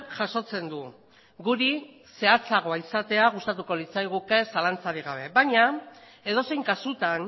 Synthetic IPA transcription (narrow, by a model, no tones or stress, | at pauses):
ʝaso̞t͡se̞nd̪u | ɡuɾi | se̞at͡saɣo̞aisat̪e̞aɣ̞ust̪at̪uko̞lit͡sajɣ̞uke̞salant͡saɾiɣaβ̞e̞βaɲa | e̞ð̞o̞se̞jŋkasut̪an